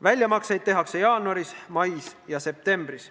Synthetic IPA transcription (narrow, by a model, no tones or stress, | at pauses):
vælʲjɑmɑksejd̪̚t̪e̞ɦɑkse̞jɑːnuɑɾismɑjsjɑse̞p̚t̪e̞mb̥ɾis